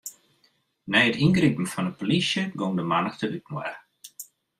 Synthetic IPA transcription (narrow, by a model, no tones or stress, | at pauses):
nɛjətinɡripn̩fɔnəpolisjəɡoŋdəmanəxtʰəʔyt̚mwɛ̰r